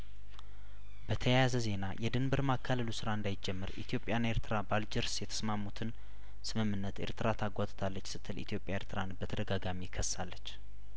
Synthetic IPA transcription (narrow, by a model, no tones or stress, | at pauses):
bət̪ʰəjjazəze̞najʔɛd̪ɨnbɨɾmakʰːaləlusɨɾaɨnd̪ajɪd͡ʒɛmːɨɾʔḭt̪ʰijo̞pʼjanːeɾt̪ʰɨɾabald͡ʒɪɾsjɛt̪ʰə̥smamːut̪ʰɨn | sɨmɨmːɨnːət̪ḛɾt̪ʰɨɾat̪ʰaɡʷat̪ʼɨ̥t̪ʰalːət͡ʃːsɨt̪ʰːɨlit̪ʰijo̞pʼjaeɾt̪ʰɨɾanbət̪ʰəd̪əɡaɡamikʰːəsːalːət͡ʃː